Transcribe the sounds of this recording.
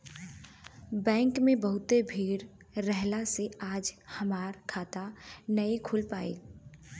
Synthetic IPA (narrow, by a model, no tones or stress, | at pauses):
bɛ̃ːŋkmẽbɐɦʊt̪ebʱiːɾː | ɛɦlaseaːd͡ʒhɐmaːɾkʰaːt̪anɐikʰʊlpaːḛː